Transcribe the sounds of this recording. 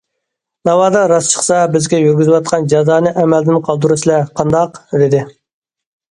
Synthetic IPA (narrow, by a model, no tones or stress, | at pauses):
nɑwɑːd̪ɑɾɑst͡ʃʰə̥χsɑbɪzɡʲɛjyɾɡʲyzɪwɑt̪̚qʰɑnd͡ʒɑzɑːnɨʔɛmɛld̪ɪnqʰɑlˠd̪uɾɨsɪlɛqʰɑnd̪ɑqd̪ɪd̪ɪ